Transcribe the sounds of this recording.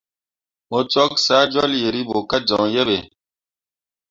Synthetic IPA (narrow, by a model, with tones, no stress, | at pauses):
mo˨t͡sɔ˦ksa˦d͡ʒɔ˦lje˨ɾi˦bo˨ka˦d͡ʒɔ̃˨jɛ˦be˨